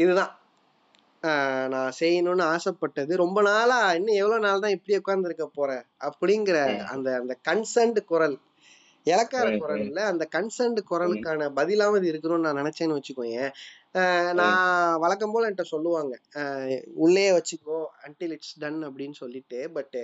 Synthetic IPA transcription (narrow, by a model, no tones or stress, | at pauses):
ɪðɯðãː | nãːsɛjːɐnʊ̃nːɯaːsɐpːɐʈːɐðɯɾɔmbɐnaːlaːɪnːɯɛʋːɐɭoːnaːlt̪ãːɪpːɐɽiʊkːaːɾɐnd̪ɪɾɯkːɐpoːɾɛ̃ːɐpːɐɽɪŋɡɪɾɐɐ̰nd̪ɐːnd̪ɐkɐnsɐɾɳɖkʊɾɐl | ɛlɐkːaːɾɐkʊɾɐlɪlːɐːnd̪ɐkɐnsɐɾɳɖɯkʊɾɐlɯkːaːnɐbɐðɪlaːmɐðɯɪɾɯkːɐnʊ̃õːnnãːnɪnɛt͡ʃːɐːnːɯʋɐt͡ʃːɯkːõːjeː | nãːʋɐɭɐk̬ːɐmpoːlɐɛɳʈːɐsɔlːɯʋaːŋɡɐ | ʊɭːeːʋɐt͡ʃːɯkːõːɐɳʈilɪʈsɖɐnɐpːɐɽɪnːɯsɔlːɪʈːɯbɐʈːɯ